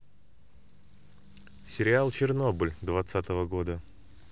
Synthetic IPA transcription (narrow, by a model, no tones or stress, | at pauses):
sʲɪɾʲɪalˠt͡ɕɪrno̞blʲd̪vɐt̪sat̪əvəɡo̞d̪ə